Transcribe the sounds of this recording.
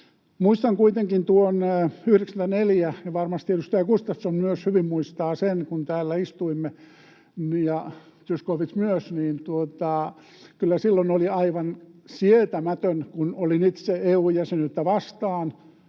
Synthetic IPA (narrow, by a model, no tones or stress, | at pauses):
muist̪ɑŋkuit̪eŋkint̪uonyhreksænt̪æneljæjɑʋɑrmɑst̪iet̪yst̪æjɑkust̪ɑsːonmyøshyʋimmuist̪ɑːsenkunt̪æːlːæist̪uimːe | njɑ | t̪yskoʋismyøsniːnt̪uot̪ɑ | kylːæsilːonoliɑiʋɑnsiet̪æmæt̪ønkunolinit̪seeuːjæsenyt̪ːæʋɑst̪ɑːn